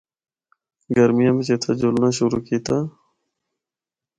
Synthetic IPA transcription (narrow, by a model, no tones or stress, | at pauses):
ɡəɾmijãbit͡ɕet̪ʰad͡ʑulnaɕuɾuːkiːt̪aː